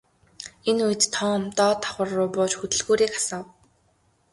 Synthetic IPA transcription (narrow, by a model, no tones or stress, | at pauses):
enujɘ̆t̪t̪ʰɔːmt̪ɔːt̪ʰːḁχə̆rːʊːpʊːt͡ɕxɵt̪ɵ̆ɮɣuːɾiːkḁsɔːw